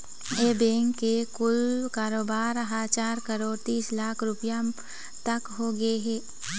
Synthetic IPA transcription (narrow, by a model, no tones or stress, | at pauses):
eːbẽːŋkːekʊlkaːɾoːbaːɾɦaːt͡ʃaːɾkɐɾoːɽt̪iːslaːkʰɾʊpja | t̪ɐkɦoɡɐeɦɛː